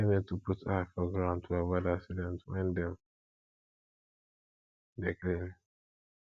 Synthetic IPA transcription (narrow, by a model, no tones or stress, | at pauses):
ɛmĩtuputafɔɡɹãʊ̃ntʰuawadasidɛ̃ntwɛ̰̃ndɛ̃m | deklɛɹi